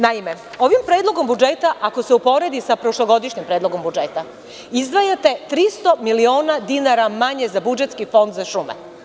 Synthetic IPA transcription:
naime̞ | o̞ʋimpɾe̞ːd̪lˠo̞ɡo̞mbud͡ʒet̪aʔako̞seupo̞ɾe̞d̪isapɾo̞ʃlˠoɡo̞d̪iʃɲimpɾeːd̪lo̞ɡo̞mbud͡ʒet̪a | izd̪ʋajat̪e̞t̪ɾist̪o̞milio̞ːnad̪inaɾamaɲe̞zabud͡ʒet̪skifo̞nd̪zaʃumḛ

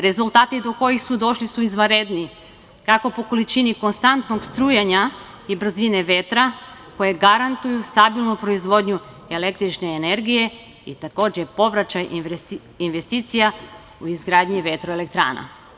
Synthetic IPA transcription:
ɾe̞zulˠt̪aːt̪id̪o̞ko̞jixsud̪o̞ʃlisuizʋaɾed̪ni | kako̞po̞ko̞lit͡ʃiniko̞nst̪ant̪noɡst̪ɾujeɲa | ibr̩zine̞ʋe̞t̪ɾako̞je̞ɡaɾant̪ujust̪abilˠnupɾo̞izʋo̞d̪ɲu | e̞le̞kt̪ɾit͡ʃneːne̞ɾɡije̞ | it̪ako̞ːd͡ʑepo̞ʋɾat͡ʃaj | inʋest̪iːt̪sija | uizɡɾaːd̪ɲiʋe̞t̪ɾoelek̚t̪ɾa̰ːna̰

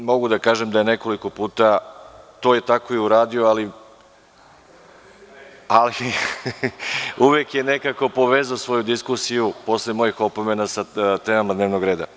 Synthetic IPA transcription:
mo̞ɡud̪akaːʒe̞md̪ajene̞ko̞liko̞puːt̪at̪oje̞t̪ako̞iuɾaːd̪io̞ali | ali | uʋjekje̞ne̞kako̞po̞ʋe̞zaosʋo̞jud̪iskusijupo̞slemo̞jixo̞pome̞nasat̪e̞ːmamad̪neːʋno̞ɡɾe̞ːd̪a̰

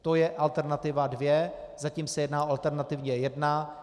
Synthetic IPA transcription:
t̪ojɛʔalt̪ɛɾnat̪ɪvadvjɛ | zaciːmsɛjɛdnaːʔoalt̪ɛɾnat̪ɪvɲɛjɛdna

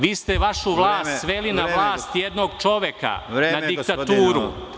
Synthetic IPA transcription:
ʋiːst̪eʋaʃuʋlˠaːst̪sʋelinaʋlˠaːst̪jed̪noɡt͡ʃo̞ʋjeka̰nad̪ikt̪at̪uːɾu

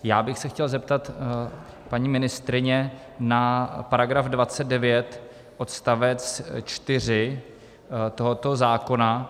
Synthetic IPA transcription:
jaːbɪxsɛxcɛlzɛp̚t̪at̪ | paɲiːmɪnɪst̪ɾɪɲɛ | napaɾaɡɾafdvat͡sɛt̪̚dɛvjɛt̪ | ʔo̞t̪st̪avɛt͡st͡ʃt̪ɪr̝ɪ | t̪o̞ɦot̪o̞zaːko̞na

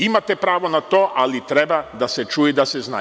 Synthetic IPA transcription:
imat̪epɾaːʋo̞nat̪oːʔalit̪ɾebad̪aset͡ʃuːjed̪asezna̰

